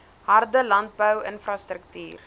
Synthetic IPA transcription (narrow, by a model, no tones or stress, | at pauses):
ɦɐrdəlɐnt̚bəwənfrɐstɾək̚ty̰ːr